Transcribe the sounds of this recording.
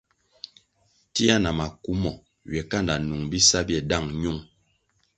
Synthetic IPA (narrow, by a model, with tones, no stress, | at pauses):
ti˦a˦na˨ma˨ku˦mɔ˨ | ɥjɛ˨ka˦nda˨nu˨ŋbi˦sa˦bjɛ˨da˦˨ŋɲu˦˨ŋ